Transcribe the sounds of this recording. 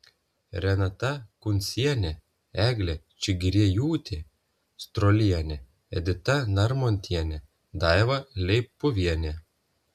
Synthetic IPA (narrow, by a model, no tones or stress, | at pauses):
ɾʲɛnɐt̪ɐkʊnʲsʲiɛnʲɛ | æːɡlʲɛt͡ʃʲɪɡʲɾʲiɛjuːt̪ʲɪ | st̪ɾɔlʲiɛnʲɛ | ɛ̰d̪ʲɪt̪ɐnɐɾmɔnʲt̪ʲiɛnʲɛ | d̪ɑˑjʋɐlʲɛɪpːʊʋʲiɛnʲɛ